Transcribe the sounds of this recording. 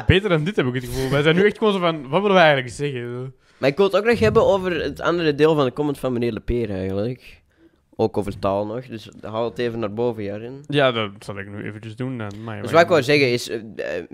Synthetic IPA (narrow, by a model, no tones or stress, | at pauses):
beːtərdɑndɪthɛbɪkətxəvulˠʋɛzɛnyɛxt̚koːzəvɑnʋɑtʋɪləʋɛɛjɣəntləkzɛɣə | maːɪkʋɪlˠətoːknɔxɦɛbənoːvərətʰɑ̰ndərədeːlˠvɑndəkɔməntfɑnməneːrləpeːrɛjɣəndlək | oːkoːvərtaːlˠnɔxdɵsɦalˠəteːvənːaːrboːvəjaːɾɪnjaːdɑtsɑlˠɪk̚ny̰ːʔḛːvənt͡ʃəzdundnma̰jswaɪkozɛɣənɪs